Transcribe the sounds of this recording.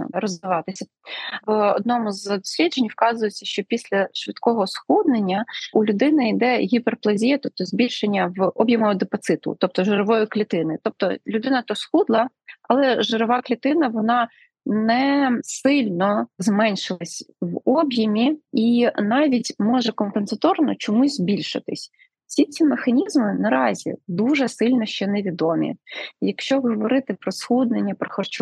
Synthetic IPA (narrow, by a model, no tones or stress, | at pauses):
ɾɔzʋɪʋɑt̪ɪsʲɐ | ʋɔ̰d̪̚nɔmʊzd̪ɔsʲlʲidd͡ʒenʲwkɑzʊjet͡sʲːɐʃt͡ʃɔpʲisʲlʲɐʃʋɪt̪kɔɦɔsxud̪nenʲːɐulʲʊd̪ɪnɪid̪ɛɦʲiperplˠɐzʲijɛt̪ɔp̚t̪ɔzʲbʲilʲʃenʲːɐʋɔbʲjɐmɔɦɔd̪efɐt̪sɪt̪ʊ̰t̪ɔp̚t̪ɔʒeɾɔʋɔjʊklʲit̪ɪnɪt̪ɔp̚t̪ɔlʲʊd̪ɪnɐt̪ɔsxud̪lˠɐɐlˠɛʒeɾɔʋɑklʲit̪ɪnɐʋɔnɑ | nɛsɪlʲnɔzmɛnʲʃɪlˠɐsʲʋɔbʲjɐmʲiinɑʋʲitʲmɔʒɛkɔmpensɐt̪ɔrnɔt͡ʃɔmuzʲzbʲilʲʃɪ̰t̪ɪsʲ | sʲit͡sʲimexɐnʲizmɪnɐɾɑzʲḭd̪uʒɛsɪlʲnɔʃt͡ʃɛnɛʋʲid̪ɔmʲḭjɐkʃt͡ʃɔɦɔʋɔɾɪt̪ɪpɾɔsxud̪nenʲːɐpɾɔxɔrt͡ʃu